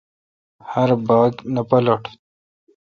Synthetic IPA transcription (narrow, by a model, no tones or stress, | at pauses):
haɾbɑːɡnapɐlaʈ